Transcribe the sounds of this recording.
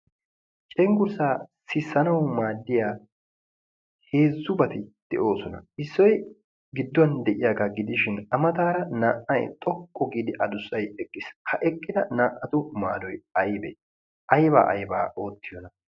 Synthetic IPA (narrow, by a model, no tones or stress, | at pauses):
t͡ʃʼɛŋɡʊɾsaːsɪsːɐnɐwmaːd̪ːɪjaː | he̞ːzːʊbɐt̪ɪd̪̥ɛʔo̞ːsɔnɐ̰ɪsːɔj | ɡɪd̪ːʊɐnd̪ɛʔɪjaːɡaɡɪd̪ɪʃɪnɐmɐt̪aːɾɐnaːʔɐjt̪ʼɔkʼːɔɡiːd̪ɪʔɐd̪ʊsːɐjɛkʼːɪshʰɐʔɛkʼːɪd̪ɐnaːʔːɐt̪ʊma̰ːd̪ɔjɐjbɛ̰ | ʔɐjba̰ːʔɐ̰jbaːʔo̞ːt̪ːɪjɔnɐ